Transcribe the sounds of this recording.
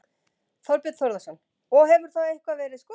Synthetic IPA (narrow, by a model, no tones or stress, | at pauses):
θɔwɾpjɛt̪θowɾðasɔn | ɔɣhɛvʏɾ̥θaejhkvavɛːɾɪðskɔ